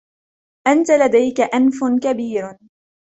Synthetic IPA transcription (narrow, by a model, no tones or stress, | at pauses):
ʔant̪alad̪ajkaʔanfʊnkabiːɾ